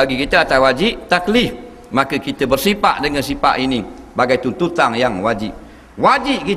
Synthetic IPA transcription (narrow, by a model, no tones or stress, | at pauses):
aɡikit̪əat̪awad͡ʒip̚t̪aklif | makəkit̪əbərsipa̰ʔdəŋansipa̰ʔini | baɡajt̪unt̪ut̪aŋjaŋwad͡ʒip̚ | wad͡ʒiʔki